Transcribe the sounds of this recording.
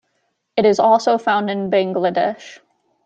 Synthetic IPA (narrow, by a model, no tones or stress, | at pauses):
ɨɾɨzɔlˠsoʊfãʊ̃ndɨ̃nbæ̃ŋɡlədɛʃ